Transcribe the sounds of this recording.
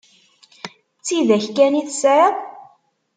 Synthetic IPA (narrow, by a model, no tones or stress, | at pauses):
t͡sːiðæçkæniθsɾæ